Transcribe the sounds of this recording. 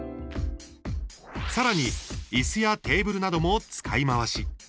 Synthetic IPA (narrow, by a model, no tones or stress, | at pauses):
saɾaɲ̟iisɨjat̪e̞ːbɯ̟ɾɯ̟nad̪o̞mo̞t͡sɨ̥kʰaimaβ̞aɕi